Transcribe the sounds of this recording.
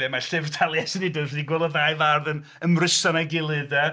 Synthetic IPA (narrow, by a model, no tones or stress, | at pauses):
ɛmaɬɪvtʰalˠjɛsənidəsdiɡwɛlˠɔðajvarðən | əmrɪsanaɡɪlˠɨðɛ